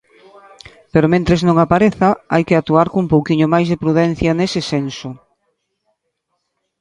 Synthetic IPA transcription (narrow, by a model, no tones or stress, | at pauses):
peɾomẽnt̪ɾeznõŋapaɾeθaajkɪat̪uaɾkoumpowkiɲomajzðepɾuðɛn̟θjɐnesɪsenso